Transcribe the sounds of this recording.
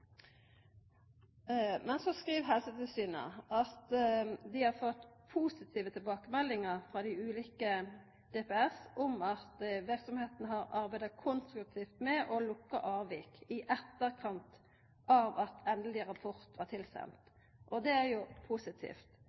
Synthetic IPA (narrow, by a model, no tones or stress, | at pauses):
mɛnsɔskɾiːʋɦɛlsət̪ɪlsyːnə̰ʔɑt̪d̪ɪhɑʁfɔt̪ːpʰuːsɪt̪ʰiːʋət̪ʰɪlbɑːkəmɛlːɪŋəɾfʁɑd̪ɪʉːliːkə | d̪̥eːpɛɛsɔmɑt̪ʋɪɾksɔmheːt̪nəɦɑɾɑɾbæɪd̪ɑkʰʊnst̪ɾʉk̚t̪ʰiːft̪mɛʔɔlʊkːə̰ʔɑːʋiːkɪʔɛt̪ːəɾkʰɑnt̪ | ʔɑʋɑt̪ʰɛnd̪əl̩ɪʁɑpʰɔɾt̪ʋɑʁt̪ʰɪlsɛ̰nt̪ | ʔɔd̪ɛæɾjʊpʰusɪt̪ʰḭːft̪